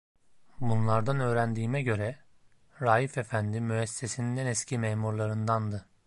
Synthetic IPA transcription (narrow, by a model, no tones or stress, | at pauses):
bunlˠaɾd̪anø̞ːɾænd̪iːmɛɟø̞ɾɛ | ɾaːjife̞fænd̪imyɛsːesinind̪ɛnɛscʰimeːmuɾlˠaɾɯnd̪and̪ɯ